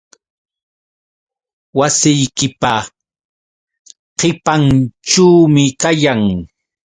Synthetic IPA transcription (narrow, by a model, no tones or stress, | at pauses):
wasɪjkɪpa | qɪpant͡ʃuːmɪkajaŋ